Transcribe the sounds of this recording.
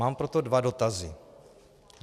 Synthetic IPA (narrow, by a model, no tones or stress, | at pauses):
aːmpɾot̪odvado̞t̪azi